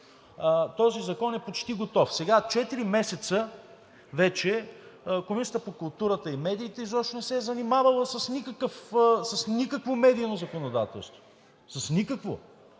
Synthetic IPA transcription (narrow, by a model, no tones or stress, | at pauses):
t̪ɔzizɐkɔnɛpot͡ʃt̪iɡot̪ɔfsɛɡat͡ʃɛt̪iɾimɛsɛt̪sə | vɛt͡ʃɛkomisət̪əpokʊlˠt̪uɾət̪əimɛd̪iːt̪ɛizɔʃt̪onɛsɛɛzɐnimavəlˠəsɐsnikəkəfsəsnikəkvomɛd̪iːnozɐkonod̪a̰t̪ɛ̰lˠst̪vo | sɐsnikəkvo̰